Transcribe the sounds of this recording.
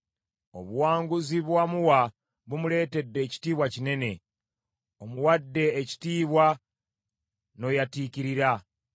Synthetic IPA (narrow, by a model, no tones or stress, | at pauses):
o̞̰βuwaːŋɡuziβwamuwa | βumule̞ːte̞dːe̞ːci̥tiːβwacine̞ne̞ | o̞muwadːe̞ːci̥tiːβwa | no̞jatiːciɾiɾa